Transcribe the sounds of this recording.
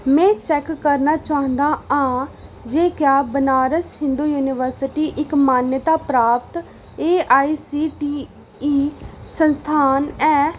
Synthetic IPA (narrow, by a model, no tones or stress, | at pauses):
mɛ̃ːt͡ʃɛːkːəɾnaːt͡ʃaːə̃nd̪aːãːd͡ʒeːkjaːbənaːɾəshɪ̃nd̪uːjuːnɪʋəɾsɪʈiːʔɪkmaːnjət̪aːpɾaːp̚t̪ | eːaːisiːʈiː | iːsənst̪ʰaːnɛː